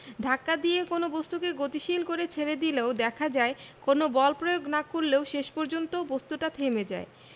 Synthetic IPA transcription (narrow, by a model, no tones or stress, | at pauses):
d̪ʱakːad̪ijekonobost̪ukeɡot̪iʃilkoɾet͡ɕʰeɾed̪ileod̪ɛkʰad͡ʑaekonobɔlpɾojoɡnakoɾleoʃeʃpɔɾd͡ʑont̪obost̪uʈat̪ʰemed͡ʑa̰e